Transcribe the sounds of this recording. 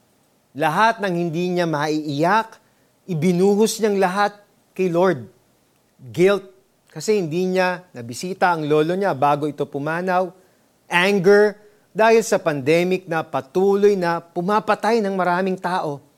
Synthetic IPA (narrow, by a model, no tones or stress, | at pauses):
lɐɦat̪̚nɐŋhɪnd̪iːɲamɐʔiʔɪjak | ʔɪbɪnuːɦosɲɐŋlɐɦat̪̚ | kɐjloɹd̪̚ | ɡɪlt̪̚ | kɐsɛhɪnd̪iːɲanɐbɪsiːt̪ɐʔɐŋlo̞ːlo̞ɲabaːɡo̞ɪt̪o̞pʊmaːnɐw | ʔaŋɡɛɹ | d̪aːhɪlsɐpɐnd̪ɛːmɪk̚nɐpɐt̪uːlojnɐpʊmapɐt̪ajnɐŋmɐɾaːmɪŋt̪aːʔo̞